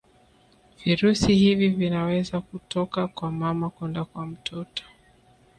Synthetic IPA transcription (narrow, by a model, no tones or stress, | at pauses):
viɾusihivivinawɛzakutɔkakwamamakwɛndakwam̩tʰɔtɔ̥